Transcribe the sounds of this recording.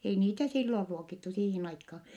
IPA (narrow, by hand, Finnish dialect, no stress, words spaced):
ei niːtæ silːor ruokitːu siːhin ɑikːɑː